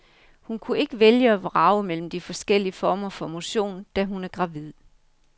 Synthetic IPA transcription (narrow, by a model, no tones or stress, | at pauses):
hunkʰue̝ɡ̥əʋeljəɒʋʁɑ̈ʊmel̰m̩d̥ifɒ̽sɡ̥el̰iəfɒːmɐfɒ̽mo̝ɕo̝̰ːnd̥æɦunæɐɡ̥ʁɑ̈ʋið̰ˠ